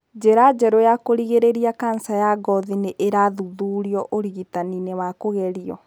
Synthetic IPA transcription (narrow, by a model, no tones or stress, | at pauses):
d͡ʑeɾad͡ʑɛɾojakoɾiɣeɾeɾiakansajaɡɔðineʔeɾaðuðuːɾiɔʔoɾiɣitaninewakoɣɛɾiɔ